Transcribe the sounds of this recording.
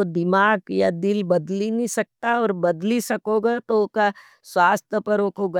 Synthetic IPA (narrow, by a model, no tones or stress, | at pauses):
od̪ɪmaːɡjad̪ɪlbɐd̪linĩsɐk̚t̪aɔːɾbɐd̪lisɐkoːɡat̪oka | swaːst̪əpəɾokoːɡa